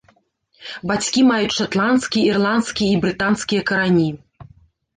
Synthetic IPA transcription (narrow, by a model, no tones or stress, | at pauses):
bat͡sʲkʲimajut͡sʲʂat̪lˠant̪skʲijɐirlˠant̪skʲijɐibɾɨt̪ant̪skʲijɐkɐɾanʲi